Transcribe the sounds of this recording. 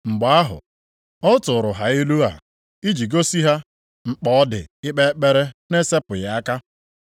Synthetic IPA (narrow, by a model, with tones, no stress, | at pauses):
ŋ͡m̩˨ɡ͡ba˨˦a˦ɦʊ̰˨ | ɔ˦tʊ˨ɾʊ˨ɦa˨ɪ˦lu˦a̰˨ | i˦d͡ʒi˨ɡo˦si˦ɦa˦ | ŋ͡m̩˨k͡pɔ˦ɔ˦dɪ̰˨ɪ˦k͡pe˦k͡pe˦ɾe˦ne˦se˦pʊ˨ja˨a˦ka˦